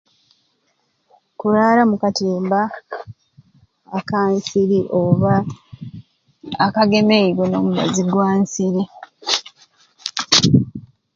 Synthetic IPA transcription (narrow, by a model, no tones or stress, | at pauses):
kuɾaːlamukatiːmba | kaːnsiɾiʔoβa | kaɡe̞meiβono̞ːmuβa̰ziɡwaːnsiɾi